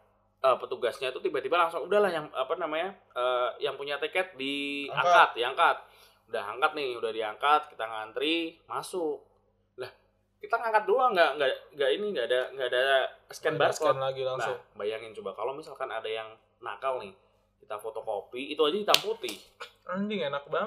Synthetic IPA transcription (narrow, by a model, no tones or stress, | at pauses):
əpət̪uɡasɲait̪ut̪ibat̪ibalaŋsʊŋudahlahjaŋapanamaɲa | əːjaŋpuɲat̪ikɛt̪̚diakat̪̚diaŋkat̪̚ | udaɦaŋkat̪̚nɪhudahdiaŋkat̪̚kit̪aŋant̪ɾimasʊk̚ | lah | kit̪aŋaŋkat̪̚doaŋɡaŋɡaŋɡainiŋɡaːdaŋɡaːdaskɛnbasanlaɡilaŋlaʊŋbajaŋɪnt͡ʃubakalomisalkanadajaŋ | na̰kalnɪh | kit̪afot̪okopiːt̪uad͡ʒadit̪amput̪ɪhaɲd͡ʒɪŋenak̚ba